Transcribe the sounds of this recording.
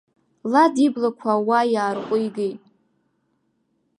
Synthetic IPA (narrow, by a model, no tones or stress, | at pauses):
ladiblakʷʰawajaːrqʷʼʊjɡejtʼ